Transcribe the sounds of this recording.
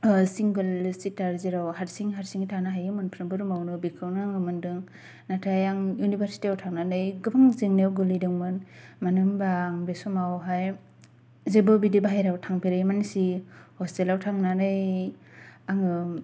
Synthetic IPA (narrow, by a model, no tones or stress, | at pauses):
siŋɡɯlsitaɾzeɾawhaɾsiŋɦaɾsiŋitʰanaɦajɯmɯnpʰɾɯmbɯɾumawnɯbikʰɯwnaŋɯmɯndɯŋ | natʰajaŋjunibʰʱaɾsi̥tiawtʰaŋnanɯjɡɯbaŋziŋnewɡɯlidɯŋmɯnmanɯmbaːŋbesɔmawɦaj | zebɯbidibaɦajɾawtʰaŋpʰiɾɯjmanisihɔstelawtʰaŋnanɯj | aŋɯ